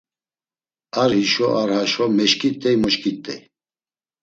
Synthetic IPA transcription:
aɾhiʃɔʔaɾhaʃɔmɛʃkʼit̪ʼːɛjmɔʃkʼit̪ʼːɛj

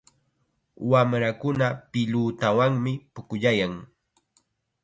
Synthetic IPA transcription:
wamɾakʊnapɪʎuːt̪awaŋmɪpʊkʊʎajaŋ

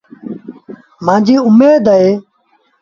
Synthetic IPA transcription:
mãːd͡ʒiːʊmeːd̪əeː

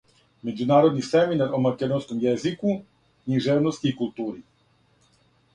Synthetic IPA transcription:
med͡ʒunaːɾod̪nisɛminaɾomakɛd̪onskɔmjɛziku | kɲiʒɛʋnɔst̪iːkulˠt̪uːɾi

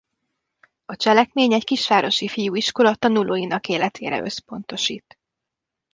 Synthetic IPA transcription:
ɒt͡ʃɛlɛkmeːɲɛckiʃʋaːɾo̞ʃifijuːiʃko̞lɒt̪ɒnulʔoːjinɒkeːlɛt̪ʰeːɾɛ̰ʔø̞spo̞nt̪o̞ʃḭːt̪

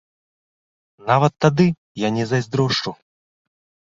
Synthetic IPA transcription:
navɐt̪ːad̪ɨ | janʲɛzɐjzʲd̪ɾɔʂt͡ʂu

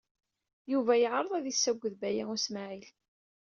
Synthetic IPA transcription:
juvæjəʕɾˤəðˤæðisːæɡʷːəðbæjæŋʊsmaʕil

